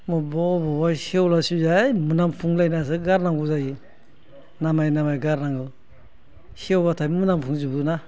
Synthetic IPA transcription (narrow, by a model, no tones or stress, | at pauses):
mɔbɔbɔbasewlasuzamunampʰuŋlajnas̬ɯɡaɾnaŋɡuzaji | namajnamajɡaɾnaŋɯ | siewbatʰamunampʰuŋd͡ʒubuna